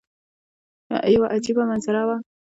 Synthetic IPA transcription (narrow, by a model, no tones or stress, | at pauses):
na̰ʔajwaʔat͡ʃibamɐnsaɾawa